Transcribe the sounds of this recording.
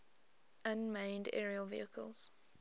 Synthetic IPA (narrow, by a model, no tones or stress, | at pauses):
ʔãnmẽɪ̃ndɛ̰ɹiəlvḭəkʰəlˠz̥